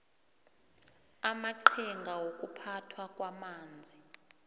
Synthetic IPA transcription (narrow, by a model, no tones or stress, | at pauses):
amaǃʰiŋɡʱawokʼupʰatʰwakʼwamaːnd͡zʱi